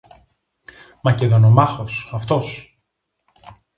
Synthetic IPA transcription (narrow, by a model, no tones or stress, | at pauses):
mɐceðo̞nomɐxo̞sɐft̪o̞s